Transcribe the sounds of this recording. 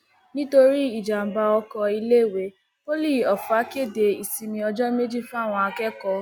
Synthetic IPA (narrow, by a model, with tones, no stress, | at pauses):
nĩ˦to˧ɾi˦i˦˨d͡ʒa˨m̩˨ba˧ɔ˧kɔ˧i˧le˦˨we˨˦ | po˦li˦˨ɔ˨fa˨˦ke˦˨de˨i˨si˧mĩ˧ɔ˧d͡ʒɔ˦me˦d͡ʒi˦˨fũ˦a˦˨w̃ɔ̃˧a˧kɛ˦kɔ˧˦